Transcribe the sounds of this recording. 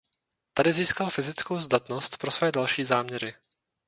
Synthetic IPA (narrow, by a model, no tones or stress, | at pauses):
t̪adɪziːskalfɪzɪt͡skowzd̪at̪no̞st̪pɾo̞svɛːdalʃiːzaːmɲɛɾɪ